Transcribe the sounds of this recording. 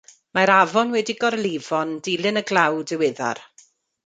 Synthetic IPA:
maɾavɔnwɛdiɡɔrlˠivɔndɪlˠɨnəɡlˠawdəwɪða̰r

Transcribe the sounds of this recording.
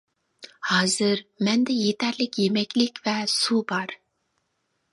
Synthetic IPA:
hɑːzɨɾmɛnd̪ɛjet̪ʰɛɾlɪkʲjemɛkʲlɪkʲvɛsubɑɾ

